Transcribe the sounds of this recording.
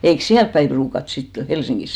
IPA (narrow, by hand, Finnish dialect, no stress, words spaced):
eiks siælp pæim pruːkɑt sitːe helsiŋɡis